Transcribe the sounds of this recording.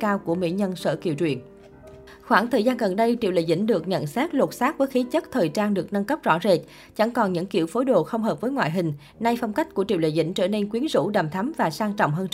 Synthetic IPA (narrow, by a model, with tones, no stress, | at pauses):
kaː˧wku˧˩əmḭ˧˥ɲə˧nsə̰ː˧˩kḭ˧˩əwt͡ɕwḭ˧˨ən | xwaː˧˩nt̪ʰəː˨˩jzaː˧nɣə˨˩nɗə˧jt͡ɕḭ˧˨wlə̰˧˨jzḭ˧˥˩ŋ̟ɗɨ˨˩ək̚ɲə̰˧˨nsɛː˦˥k̚lo˨˩t̚saː˦˥k̚vəː˨˦xi˨˦t͡ɕə˦˥t̚t̪ʰəː˨˩jt͡ɕaː˧nɗɨ˨˩ək̚na˧ŋkə˦˥p̚z̥ɔ̰˧˥ze˨˩t̚ | t͡ɕa˧˩ŋkɔ˨˩nɲɨ̰˧˥ŋkḭ˧˩əwfo˨˦jɗo̰˧˨xə˧wŋ͡mɦəː˨˩p̚vəː˨˦jŋwa̰ː˧˨ɦï˨˩ŋ̟ | na˧jfɔ˧wŋ͡mka˦˥k̟̚ku˧˩ət͡ɕḭ˧˨wlə̰˧˨jzḭ˧˥˩ŋ̟t͡ɕəː˧˩ne˧nkwi˨˦ənzṵ˧˥ɗa˨˩mt̪ʰa˨˦mvaː˨˩saː˧ŋt͡ɕɔ̰˧˨wŋ͡mɦəː˧n